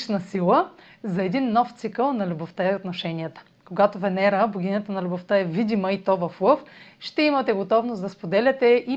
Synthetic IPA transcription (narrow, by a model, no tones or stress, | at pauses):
t͡ʃnɐsilˠə | zɐɛd̪inːɔft̪sikəlˠnɐlʲuboft̪əɛot̪noʃɛnijət̪ə̥ | koɡat̪ovɛnɛɾəboɡʲinət̪ənɐlʲuboft̪əɛvid̪iməit̪ɔvɐflˠɤfʃt̪ɛimɐt̪ɛɡot̪ɔvnosd̪ɐspod̪ɛlʲɐt̪ɛʔi